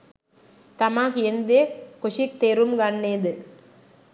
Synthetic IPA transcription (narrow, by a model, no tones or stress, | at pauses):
t̪ɐmaːkɛnd̪ekʊʂik̚t̪eɾumɡɐnːeːd̪ɯ